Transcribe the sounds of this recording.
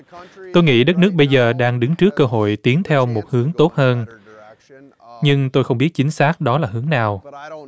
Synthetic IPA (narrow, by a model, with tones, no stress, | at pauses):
t̪o˧jŋḭ˧˥ɗə˦˥t̚nɨ˦˥ək̚ɓə˧jzəː˨˩ɗaː˧ŋɗɨ˨˦ŋt͡ɕɨ˦˥əkːəː˧ɦo̰˧˨jt̪i˨˦əŋt̪ʰɛ˧wmo˨˩t̚hɨ˨˦əŋt̪o˦˥t̚həː˧n | ɲɨ˧ŋt̪o˧jxə˧wŋ͡mɓi˦˥ət̚t͡ɕï˨˦ŋ̟saː˦˥k̚ɗɔ˨˦laː˨˩ɦɨ˨˦əŋnaː˨˩w